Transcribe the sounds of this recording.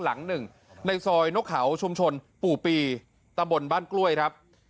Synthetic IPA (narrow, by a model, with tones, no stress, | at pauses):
la˩˦ŋnɯ˨˩ŋ | na˧jsɔː˧jno˦˥k̚ʰːa˩˦wt͡ɕʰu˧mt͡ɕʰo˧n | puː˨˩piː˧ | t̪a˧mbo˧nbaː˥˩nklu˥˩əjkʰɾa˦˥p̚